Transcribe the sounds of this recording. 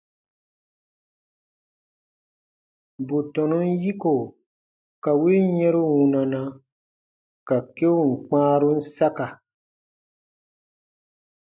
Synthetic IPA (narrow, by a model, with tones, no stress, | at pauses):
bo˨tɔ̃˨nũ˦n˦ji˦ko˨ | ka˨we˦jɛ̃˦ɾu˦wũ˨nã˨nã˦ | ka˨ke˦wu˦˨ŋ̩˨k͡pãː˦ɾu˦n̩˦sa˦ka˨